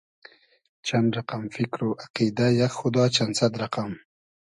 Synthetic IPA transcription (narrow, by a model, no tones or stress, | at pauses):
t͡ʃanɾaqamfɪkɾoʔaqid̪ajaxxʊd̪ɑːt͡ʃansad̪ɾaqam